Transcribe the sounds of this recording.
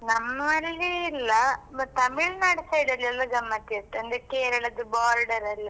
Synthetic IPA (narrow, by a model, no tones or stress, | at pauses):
nɐmːɐlːiːlːɐt̪ɐmiɭnɐɽisɐjɽɐlɐlːɐɡɐmːɐt̪ːiɐʈ̪ːeɐnd̪ekeːɾɐɭɐd̪ubaːɾɖɐɾɐlːi